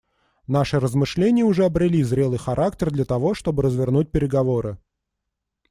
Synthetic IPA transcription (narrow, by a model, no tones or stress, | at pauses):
n̪aʂɨɾəzmɨʂlʲenʲɪjəʊʐɛɐbɾʲɪlʲizɾʲe̞lˠɨjxɐɾʔak̚tʲɪrd̪lʲɐt̪ɐvo̞ʂt̪o̞bɨɾəzvʲɪrnut̚ʲpʲɪɾʲɪɡɐvo̞ɾɨ